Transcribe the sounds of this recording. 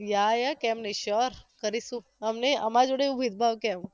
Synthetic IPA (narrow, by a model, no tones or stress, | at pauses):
jajakɛmnəʃɔɾkəɾisũəmneəmad͡ʒoɽeubʱid̪̚bʱaʋkɛm